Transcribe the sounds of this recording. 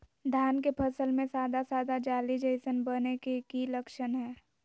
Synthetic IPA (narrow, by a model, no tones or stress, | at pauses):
d̪ʱaːnkepʰɐsəlmẽsaːd̪asaːd̪ad͡ʒaːlid͡ʒəɪsənbənekekiləkʃənɦɛː